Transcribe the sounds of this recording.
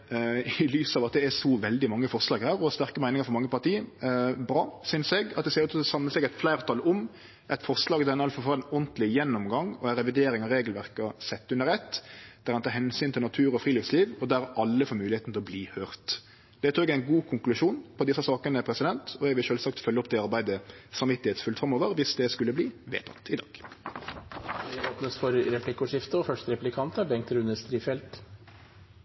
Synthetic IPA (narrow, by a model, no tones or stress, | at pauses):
ɪlyːsɑːʋɑt̪̚d̪ɛæsɔʋɛld̪ɪmɑŋːəfɔɾslɑːɡhæːɾɔɑst̪æɾkəmæɪnɪŋəɾfɔɾmɑŋːəpɑʁt̪iːəbɾɑːsʏnsɛɡɑt̪d̪ɛseːɾət̪ʰsɑmləsɛɡæɪt̪flæɪɾt̪ʰɑlʊm | ʔɛɪt̪fɔɾslɑːɡd̪ænɑlfɔfɑːɔnt̪lɪjɛnːɔmɡɑŋːɔæɾɛʋɪd̪eːɾɪŋɑɾeːɡlʋæʁkɑsɛt̪ːʉnːəɾɛt̪ːd̪̥æɾhɑnʰɑːhɛnsyːnt̪ʰɪlnɑt̪ʰʉːɾɔfɾiːlɪfsliːʋɔd̪æɾʔɑlːəfoːɾmʉːlɪeːt̪n̩t̪ʰɪlɔbliːhøːʁt̪ | d̪̥ɛt̪ʰuːɛɡæɪnɡuːkʰʊŋklʉʂuːnpʰɔd̪ɪsːɑsɑːkənəæpʰɾɛsɪd̪ɛnt̪ʰɔɛɡʋɪlʃøːlsɑkt̪fœlːəɔp̚d̪ɛɑʁbæɪd̪əsɑmʋɪt̪ːɪheːt̪sfʉlt̪fɾɑmoːʋəɾʋɪsd̪ɛskʉlːəbliːʋḛːt̪ʰɑ̰t̪ɪd̪ɑ̰ːɡ̥ | ɛoːpnəsfɔɾɾɛplɪkʊʂɪft̪əɔfœʂt̪ɾɛplɪkʰɑnt̪əbɛŋkt̪ɾʉnəst̪ɾiːfɛlt̪